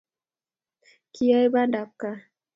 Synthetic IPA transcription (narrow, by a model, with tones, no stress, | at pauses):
kʰi˦ja˦jba˦nda˨p̚ka˦